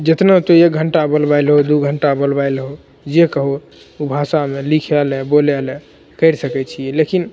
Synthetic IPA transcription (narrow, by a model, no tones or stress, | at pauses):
d͡ʒet̪nat̪oek̚ɡʱəɳʈabolbajlɦod̪uɡʱəɳʈabolbajlɦo | d͡ʒekəɦo | obʱasamelikʰɛlɛbolɛlɛ | kəɪɾsəkɛt͡ʃʰiɛlekin